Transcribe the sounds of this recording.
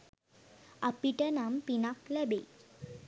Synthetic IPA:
apiʈənampinaklɛbe

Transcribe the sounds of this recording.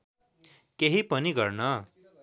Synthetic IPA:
keɦipʌniɡʌɾnʌ

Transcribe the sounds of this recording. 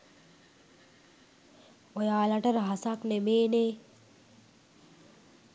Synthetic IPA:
ojaːlaʈəɾəɦasaknemeːne

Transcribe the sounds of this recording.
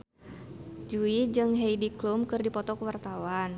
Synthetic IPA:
d͡ʒuid͡ʒɨŋɦejdiklumkɨrdipɔt̪ɔkəwart̪awan

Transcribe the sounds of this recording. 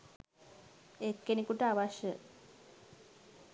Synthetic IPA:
ekːenikuʈəaʋaʃə

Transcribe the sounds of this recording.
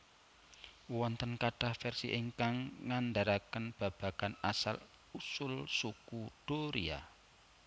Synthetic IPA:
wɔnt̪ənkaɖ̥ahfɛrsḭʔeŋkaŋːand̪aɾakənb̥a̤b̥a̤ɡ̥anasa̰l | usʊlsukuɖ̥oɾia̰

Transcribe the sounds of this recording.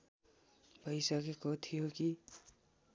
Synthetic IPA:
bʱʌjsʌkekot̪ʰijoki

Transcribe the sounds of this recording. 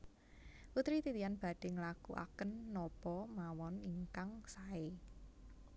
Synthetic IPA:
put̪ɾit̪it̪ianb̥a̤ɖ̥e̤ŋlakṵʔa̰kənːɔpɔmawɔniŋkaŋsae

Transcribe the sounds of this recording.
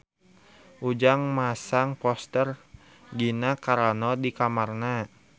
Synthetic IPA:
ʔud͡ʒaŋmasaŋpɔst̪ər | ɡinakaɾanɔdikamarna

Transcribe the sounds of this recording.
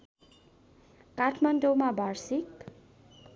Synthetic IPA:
kaʈʰmʌndowmabʱʌrsik

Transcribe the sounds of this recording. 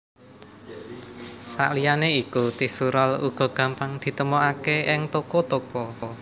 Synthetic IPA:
sa̰ʔlijaneikut̪ihsuɾɔlṵɡ̥ɔ̤ɡ̥ä̤mpaŋd̪̥i̤t̪əmoakeʔɪŋt̪okɔt̪okɔ

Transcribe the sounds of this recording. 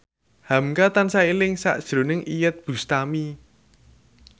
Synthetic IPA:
hamkat̪ansailɪŋsa̰ʔd̥ʒ̥ɾo̤nɪŋʔijət̪̚b̥ṳst̪ami

